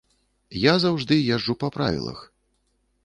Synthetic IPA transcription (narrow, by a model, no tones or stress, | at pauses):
jazawʐd̪ɨjɛʐːupɐpɾa̰vʲḭlˠɐ̰x